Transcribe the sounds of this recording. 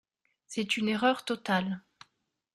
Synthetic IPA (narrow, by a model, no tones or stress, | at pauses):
sɛt̪yneʁœʁt̪ɔt̪al